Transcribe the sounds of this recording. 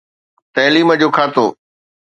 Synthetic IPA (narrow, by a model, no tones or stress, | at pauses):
t̪ɐːliːməd͡ʑoːkʰaːt̪oː